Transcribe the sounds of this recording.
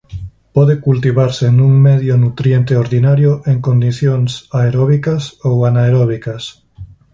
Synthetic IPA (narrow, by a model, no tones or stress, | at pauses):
pɔðekult̪iβaɾsenũŋmeðjonut̪ɾjent̪eoɾðinaɾjoʔeŋkond̪iθjoŋsaeɾɔβ̞ikasowanaeɾɔβ̞ikas